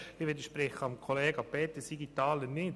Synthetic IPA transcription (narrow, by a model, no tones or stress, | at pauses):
lɪʋed̪əʃpɾɛχəɑmkʰoleːɡɑpet̪ːəsiɡit̪ɑːlənɪt